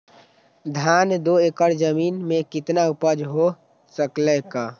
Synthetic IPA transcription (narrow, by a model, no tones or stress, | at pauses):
d̪ʱand̪oekəɾd͡ʒəminmekit̪naupəd͡ʒɦo | səklɛka